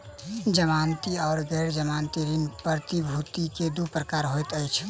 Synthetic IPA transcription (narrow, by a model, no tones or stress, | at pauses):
d͡ʒəmant̪iɔʊɾɡɛɾd͡ʒəmant̪iɾinpəɾt̪ibʱut̪iked̪upɾəkaɾɦojt̪əjt͡ʃʰ